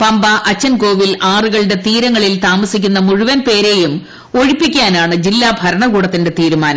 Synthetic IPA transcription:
pɐmbɐʔɐt͡ɕːɐnko̞ːʋilaːruɣɐɭɨɽe̞t̪iːɾɐŋːɐɭilt̪aːmɐsikʲːunːɐmuɻuʋɐnpe̞ːɾe̞jum | o̞ɻipːikʲːaːnaːɳɨd͡ʑilːaːbʱɐɾɐɳɐkuːɽɐt̪ːinde̞t̪iːɾumaːnɐ

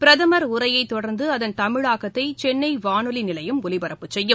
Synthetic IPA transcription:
pɪɾɐðɐmɐɾʊɾɐjɐɪt̪ːɔɽɐɾnd̪ɯɐðɐnt̪ɐmɪɻaːɣɐt̪ːɐɪt͡ʃɛnːɐɪʋaːnɯlinɪlɐjɯmʊlɪbɐɾɐpːɯt͡ʃsɛjːɯm

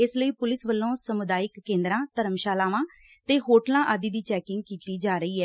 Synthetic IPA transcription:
ɪsləiːpʊlɪsʋəlːõːsəmʊd̪aːɪkːẽːnd̪ɾãːt̪əɾəmʃaːlaːʋãː | t̪eːɦoːʈlãːʔaːd̪iːd̪iːt͡ʃɛːkɪ̃ŋɡ̚kiːt̪iːd͡ʒaːɾəiːɛː

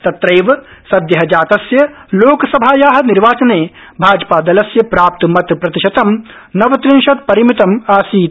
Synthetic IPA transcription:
t̪ɐt̪ɾɐjʋɐsɐd̪jɐɦɐd͡ʒaːt̪ɐsjɐloːkɐsɐbʱaːjaːɦɐ̆niɾʋaːt͡ʃɐneː | bʱaːd͡ʒpaːd̪ɐlɐsjɐpɾaːp̚t̪mɐt̪pɾɐt̪iʃɐt̪ɐm | nɐʋɐt̪ɾinʃɐt̪̚pɐɾimit̪ɐmaːsiː

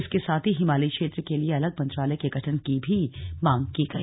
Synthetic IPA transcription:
ɪskesaːt̪ʰiɦɪmaːlikʃeːt̪ɾəkelieɐləɡmɐ̃nt̪ɾaːlɛekeɡʱɐʈʰənkibʱimãːŋkiɡɐḭː

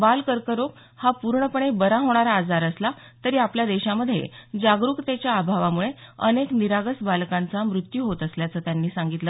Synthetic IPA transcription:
balkəɾkəɾok | hapuɾɳəpəɳ̃ebəɾaɦoɽ̃aɾaːd͡zaɾəsla | t̪əɾiːapljad̪eɕaməd̪ʱjḛd͡ʑaɡɾukt̪et͡ɕjaːbʱaʋamuɭeə̰nekniɾaɡəsbalkãnt͡samɾut̪juɦot̪əsljat͡səːt̪janːiːsãŋɡit̪lə

